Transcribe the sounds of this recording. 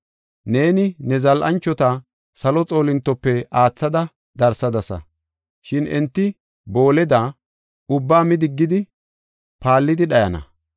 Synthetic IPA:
ne̞ːnɪnɛzɐlʔɐ̰nt͡ʃːɔt̪ɐ | sɐlɔt͡sʼo̞ːlɪnt̪ːɔpːɛaːt͡sːɐd̪ɐ | d̪ɐɾsɐd̪ɐsɐ̰ | ʃɪnɛ̰nt̪ːɪ | bo̞ːlɛd̪a | ʊbːaːmɪd̪ɪɡːɪd̪ɪ | paːlːɪd̪ɪɗɐjɐnɐ̰

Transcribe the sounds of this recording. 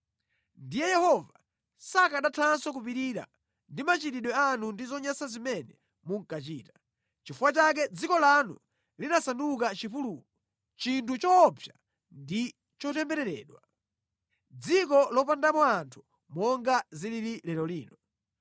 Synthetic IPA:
ndijɛjɛhɔva | sakaɗatʰansɔkupiɾiɾa̰ | ndimat͡ʃiɾiɗwɛanundizɔɲasazimɛnɛ | muŋ̩kat͡ʃiːtḁ | t͡ʃifuwat͡ʃak̬ɛd͡zikɔlanṵ | linasanduk̬at͡ʃipuluːkɔ | t͡ʃintut͡ʃɔpʰja | ndi | t͡ʃɔtɛmbɛɾɛɾɛ̰ːɗwa | d͡zikɔlɔpandamɔantʰu̥ | mɔŋɡazilililɛlɔliːnɔ

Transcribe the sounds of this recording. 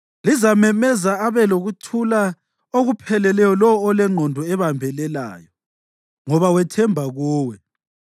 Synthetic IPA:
lizamɛmɛzaaβɛloɣutʰula | oɣupʰɛlɛlɛjɔlɔwɔːlɛŋ͡ǃʱɔndʱɔɛβambʱɛlɛla̰ːjɔ | ŋɔβawɛtʰɛmbʱaɣuːwɛ

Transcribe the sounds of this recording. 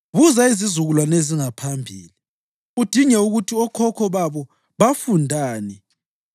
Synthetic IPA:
βuzaizizuɣulwaneziŋapʰambʱḭːli | ud̥ʱiŋɛuɣutʰiɔkʰɔkʰɔβaβɔ | βafundʱaːnɛ

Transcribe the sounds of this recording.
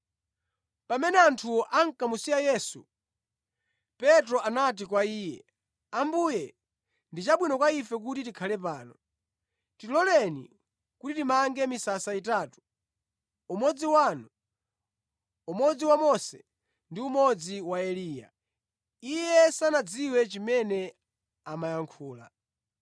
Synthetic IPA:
pamɛnɛantʰuɔʔaŋ̩kamusiajɛsṵ | pɛtɾɔanat̬ikwaiːjɛ̰ | ambujɛ | ndit͡ʃaɓwinɔkwaifɛk̬utitikʰalɛp̬aːnɔ | tilɔlɛnḭ | kutitimaŋɡɛmisasaitaːtu̥ | umɔd͡ziwanɔ | umɔd͡ziwamɔsɛ | ndiumɔd͡ziwaɛliːja̰ | ijɛsanad͡ziwɛt͡ʃimɛnɛ | amajaŋkʰuːla̰

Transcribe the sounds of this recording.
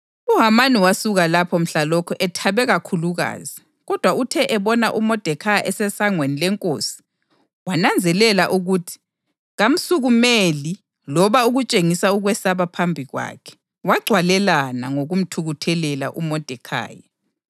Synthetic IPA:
uɦamaniwasuɣalapʰɔm̩ɬalɔkʰɔʔɛtʰaβɛɣakʰuluɣa̰ːzi | ɣɔd̥ʱwautʰɛʔɛβɔna̰ʔumɔd̥ʱɛkʰajaʔɛsɛsaŋwenilɛŋkʼoːsi̥ | wanand͡zʱɛlɛlaʔuɣutʰi̥ | ɣam̩suɣumeli | lɔβauɣut͡ʃʼeŋisauɣwɛsaβapʰambʱiɣwa̰ːkʰɛ̥ | waɡ͡ǀʱwalɛlana̰ŋoɣum̩tʰuɣutʰɛlɛla̰ʔumɔd̥ʱɛkʰa̰ːja

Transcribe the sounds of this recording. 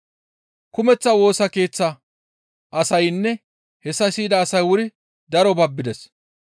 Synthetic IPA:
kʊmɛt͡sːɐwo̞ːsɐke̞ːt͡sːɐ | ʔɐsɐjnːɛ | hɛsːɐsiːd̪ɐːsɐjwʊɾɪ | d̪ɐɾɔbɐbːɪd̪ɛs

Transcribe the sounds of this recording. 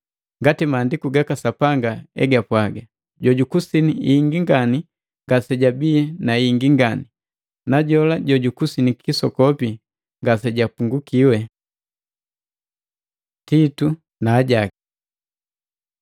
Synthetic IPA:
ŋɡatimaːndikuɡakasapaŋɡaɛ̰ɡapwaɡa | ɟɔɟukusiniiːŋɡiŋɡani | ŋɡasɛɟabiɛnaiŋɡiŋɡani | naɟɔlaɟɔɟukusinikʰisɔkɔpi | ŋɡasɛɟapuŋɡukiwɛ | titu | naːɟaki

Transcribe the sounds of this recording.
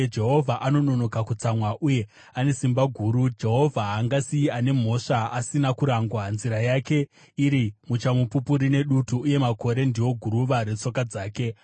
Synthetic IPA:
d͡ʒe̞ɦo̞vʱaʔano̞no̞no̞kakut͡samwaʔuje̞ | ane̞simbaɡʱuːɾud͡ʒe̞ɦo̞vʱaɦaŋɡasiiane̞m̤o̞ʂaasinakuɾaŋɡwanziɾajake̞ | iɾimut͡ʃamupupuɾine̞ɗutuːje̞mako̞ɾe̞ndiwo̞ɡʱuɾuʋaɾe̞t͡so̞kad͡zaːke̞

